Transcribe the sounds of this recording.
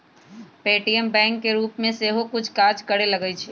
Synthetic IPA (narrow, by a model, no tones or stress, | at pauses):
peːʈiəmbɛ̃ːŋkːeɾuːpmẽseɦokʊt͡ʃʰkaːɾd͡ʒkəɽelɐɡəit͡ʃʰeː